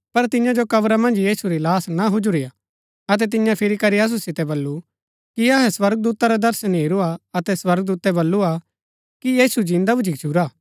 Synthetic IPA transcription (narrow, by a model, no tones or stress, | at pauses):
pɐɾt̪ɪ̃jãd͡ʒokɐʋɾamɐ̃nd͡ʒjiːsuɾilaːsnaɦʊd͡ʒuɾija | ɐt̪̬ɛt̪̬ɪ̃jãpʰɪɾikɐɾiɐs̬usɪt̪ɛbɐlːu | kiɐɦɛswɐɾɡəd̪uːt̪aɾad̪ɐɾsənɦiːɾuaɐt̪ɛswɐɾɡd̪uːt̪ɛbɐlːua | kijiːsud͡ʒĩːnd̪abʊd͡ʒikt͡ʃʰuɾaː